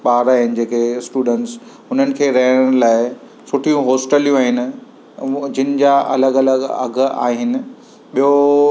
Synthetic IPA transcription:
ɓaːɾaːɦɪnɪ̆d͡ʑeːkesʈuːɖə̃ɳʈs | ʊn̤ənɪ̆kʰeːɾɐɦɪɽ̃laːɪ | sʊʈʰijũɦoːsʈəlijũaːɦɪnɪ̆ | d͡ʑɪnɪ̆d͡ʑaʔɐ̰ləɡɐləɡɐ̰ɡʱa̰ːɦɪnɪ̆ | ɓijo

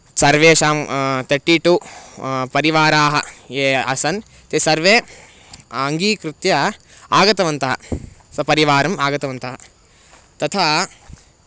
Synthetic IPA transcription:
sɐɾʋeːʃaːmt̪ʰɐɾʈːiːʈuːpɐɾiʋaːɾaːɦɐ̰eːɐ̰sɐn | t̪esɐɾʋeː | ŋɡiːkɾɪt̪jɐ | aːɡɐt̪ɐʋɐnt̪ɐɦɐ̰ | sɐpɐɾiʋaːɾɐmaːɡɐt̪ɐʋɐnt̪ɐɦɐ | t̪ɐt̪ʰa

